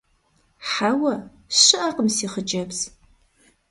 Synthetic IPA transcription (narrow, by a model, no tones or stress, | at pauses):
ħawɐ | ɕɨʔɐqəmsiːχəd͡ʒɐbz̥